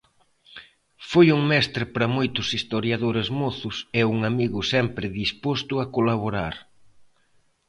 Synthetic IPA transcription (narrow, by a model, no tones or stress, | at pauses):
fojuŋmɛst̪ɾɪpɾɐmojt̪ʊsist̪oɾjaðoɾezmoθʊsɛuŋamiɣʊsɛmpɾɪðispost̪ʊakolaβ̞oɾaɾ